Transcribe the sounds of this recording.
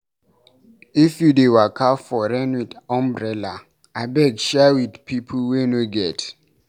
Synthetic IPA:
ifjudewakʰafɔɾɛ̃nwidãmbɹɛla | abɛdʃɛwidpʰipʰulwenoɡɛt

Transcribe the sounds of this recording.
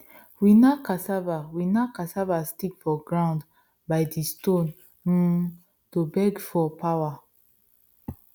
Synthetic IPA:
winakasavawinakasavastikfɔɡɹãʊ̃nd | bajdistõn̩ | tobɛɡfɔpʰawa

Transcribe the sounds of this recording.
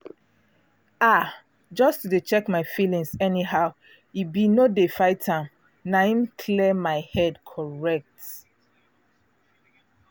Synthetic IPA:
a | d͡ʒɔstudet͡ʃɛkmaɪfilĩŋsɛniɦaʊ | ibinodefaɪtʰãm | naĩnkʰlɛmaɪhɛdkʰɔɹɛk̚t

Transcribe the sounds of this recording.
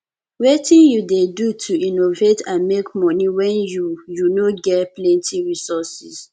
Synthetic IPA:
wetĩnjudedutʰuinovetãnmekmɔniwɛ̃njujunoɡɛtplɛ̃ntʰiɹisɔsis

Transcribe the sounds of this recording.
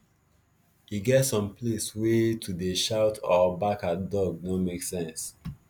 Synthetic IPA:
iɡɛtsɔ̃mpʰleswetʰudeʃaʊtʰɔbakadɔɡ̚nomeksɛ̃ns

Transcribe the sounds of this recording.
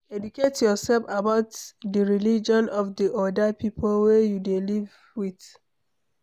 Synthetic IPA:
ɛduketʰjɔsɛlfabaʊtdəɹilid͡ʒɔ̃nɔfdiʔɔdəpipʰolwɛjudeliv | wiθ

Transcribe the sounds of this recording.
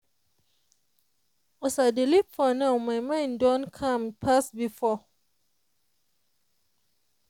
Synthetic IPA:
ɔsadilipfɔnaʊmajmãndɔ̃nkʰãmpʰasbifɔ

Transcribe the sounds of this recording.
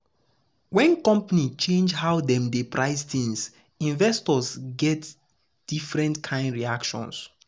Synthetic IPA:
wɛ̃nkɔ̃mpanit͡ʃẽnd͡ʒhaʊdɛ̃mdepɹaɪstĩŋs | ĩnvɛstɔsɡɛt | d̥ifɹɛ̃ntkʰãɪ̃ndɹiakʃɔ̰̃ns

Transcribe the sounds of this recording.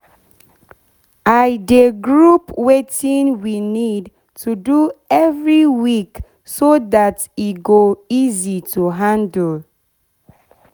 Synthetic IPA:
ajdeɡɹupwetĩnwinid | tʰuduɛvɹiwik | soðat | iɡoizitʰuɦãndəl

